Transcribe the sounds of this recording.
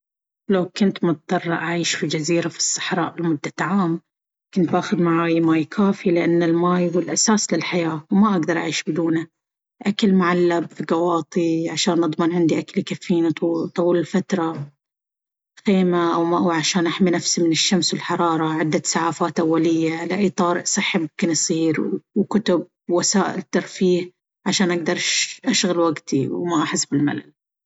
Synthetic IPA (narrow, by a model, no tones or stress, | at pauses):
lawkʊnt̪mʊt̪̚d̪ˤɑrˤːʔaʕiːʃfid͡ʒaziːɾafi̥sˤːɑ̥ħɾˤɑ̰ːʔlmʊd̪ːaʕaːm | kʊnt̪̚bʔaːxʊd̪maʕaːjmaːjkʰaːfilɪʔanːɪlmaːjwɪlʔasaːslɪlħajaːwmaʔaɡd̪ɑɾˤʔa̰ʕiːʃbɪd̪uːna | ʔakalmʊʕalːabfiɡɑwɑːt̪ˤiʕaʃaːnʔɨd̪ˤmɪnʕɪnd̪iʔaklkafːiːnit̪ːt̪ˤɑwuːlɪlfat̪ɾˤɑ | xeːmaʔawmaʔwʕaʃaːnʔaħminafsimɪnɪʃːamswɪlħɑɾˤɑːɾˤɑʕɪd̪ːasaʕaːfaːt̪ʔawːalɪjːalɪʔiːt̪ˤɑːɾɪʔsˤɨħːimʊ̃mkɪnsˤiːɾwkʊt̪ʊb̚ | wasaːʔɪlɪt̪ːɑɾˤfiːh | ʕaʃaːnʔaɡd̪ɑɾˤʃʔaʃɣalwaɡt̪ḭwmaʔaħɪsːbɪlma̰la̰l